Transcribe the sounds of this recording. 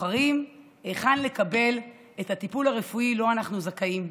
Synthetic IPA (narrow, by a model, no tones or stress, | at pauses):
aʁim | eχanle̞kabe̞l | ethat̪ipulaʁefuilo̞anaχnuzakaim